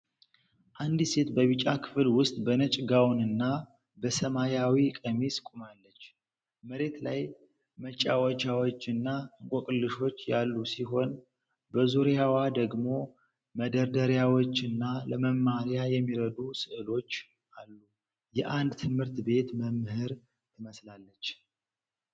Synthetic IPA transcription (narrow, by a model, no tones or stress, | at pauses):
ʔand̪ise̞t̪bəβit͡ʃʼakʰɨ̥fɨlwʊst̪ʼbənət͡ʃʼɡawnɨnːa | bəsəmajawikʼəmiskʼumalːət͡ʃː | məɾe̞t̪laj | mət͡ʃʼːawət͡ʃawot͡ʃːɨnːakʼokʼɨlːɨʃo̞t͡ʃːjalːusiɦo̞n | bəzuɾjawad̪əɡmo̞ | məd̪əɾd̪əɾjawot͡ʃːɨnːaləməmːaɾjajɛmːiɾəd̪usɨʔɨlo̞t͡ʃː | alːu | jɛʔand̪t̪ʰɨmhɨɾt̪be̞t̪məmːhɨɾ | t̪ʰɨməslalːət͡ʃː